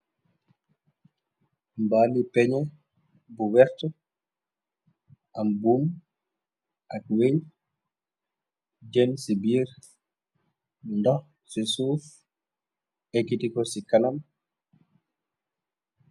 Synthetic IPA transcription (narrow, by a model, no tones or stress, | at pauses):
mbaːlipɛɲɛ | buwɛɾtɔ | ʔambum | ʔak̚weɲ | d͡ʒɛnsibiːɾ | ndɔh | sisuːf | ekitikɔsikanam